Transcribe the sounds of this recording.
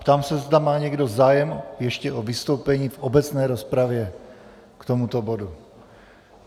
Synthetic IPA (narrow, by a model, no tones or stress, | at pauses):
pt̪aːmsɛzd̪amaːɲɛɡdo̞zaːjɛmjɛʃcɛʔovist̪o̞wpɛɲiːfʔobɛt͡snɛːɾospɾavjɛ | kt̪omut̪obodu